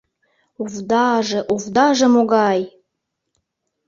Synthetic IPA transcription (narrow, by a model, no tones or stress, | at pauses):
uvd̪ɑʒĕʔuvd̪ɑʒĕmoɣɑj